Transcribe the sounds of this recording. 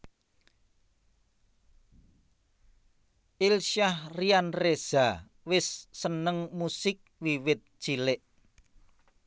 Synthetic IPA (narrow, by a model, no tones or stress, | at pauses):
ʔilʃahrianrez̥a | wɪsːənəŋmusɪk̚wiwɪt̪̚ʒ̥ilɪʔ